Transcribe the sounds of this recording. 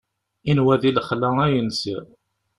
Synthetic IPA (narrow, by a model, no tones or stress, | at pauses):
inwæðiləχlææjənsiɾ